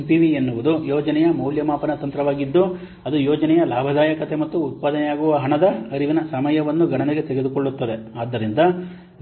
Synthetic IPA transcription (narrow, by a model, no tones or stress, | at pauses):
piʋienːuʋud̪ujɔːd͡ʒɐnɛjɐmɐwljɐmaːpɐnɐt̪ɐnt̪ɾɐʋaːɡid̪ːu | ɐd̪ujɔːd͡ʒɐnɛjɐlaːbʱɐd̪aːjɐkɐt̪e̞mɐt̪ːuːt̪̚paːd̪ɐnɛjaːɡuʋɐɦɐɳɐd̪ɐɐɾiʋinɐsɐmɐjɐʋɐnːuɡɐɳɐniɡe̞t̪eɡe̞d̪ukoɭːut̪ːɐd̪e̞aːd̪ːɐɾind̪ɐ